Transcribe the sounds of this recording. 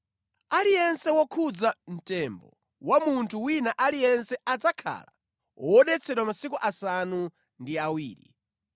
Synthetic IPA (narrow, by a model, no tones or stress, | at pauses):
alijɛnsɛwɔkʰud͡zan̩tɛmbɔ̰ | wamuntʰuwinaʔalijɛnsɛad͡zakʰa̰la̰ | ɔɔɗɛt͡sʰɛɗwamasikuʔasanu | ndiawiːɾḭ